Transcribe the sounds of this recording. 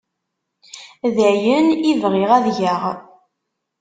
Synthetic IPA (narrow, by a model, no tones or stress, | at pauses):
ðəjənivʁɪʁæðʝaʁ